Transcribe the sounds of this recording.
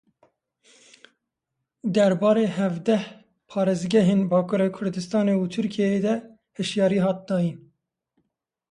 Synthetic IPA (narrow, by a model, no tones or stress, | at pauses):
d̪ɛɾbɑːɾeːɦɛvd̪ɛh | pʰɑːɾezɡɛɦeːnbɑːkʰuɾekʰʊɾd̪ɨst̪ɑːneut̪ʰɨɾkʰijɛed̪ɛ | hɨʃjɑːɾiːɦɑːt̪̚d̪ɑːjin